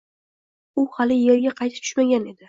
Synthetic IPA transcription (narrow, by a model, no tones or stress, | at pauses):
ʊhalɪjeɾɡʲaqʰɑjt̪ʰɪ̥t̪ʰʊ̥ʃmaɡʲane̞d̪ɪ